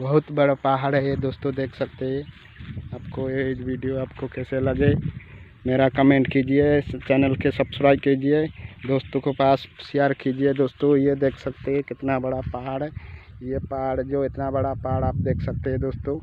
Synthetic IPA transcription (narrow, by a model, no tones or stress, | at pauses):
bəɦʊt̪bəɽapaɦaɽɦed̪oːst̪od̪eːkʰsəkt̪eɦɛ̃ | aːpkoed͡ʒbʱiɖijoaːpkokɛseləɡe | meɾakəmẽɳʈkid͡ʒiet͡ʃɛːnəlkesəbsɾaːɪkid͡ʒied̪oːst̪okepaːssijaɾkid͡ʒied̪oːst̪ojed̪eːkʰsəkt̪eɦɛ̃kɪt̪nabəɽapaɦaɽɛjepaɦaɽd͡ʒoɪt̪nabəɽapaɦaɽaːp̚d̪eːkʰsək̚t̪eɦɛ̃d̪oːst̪o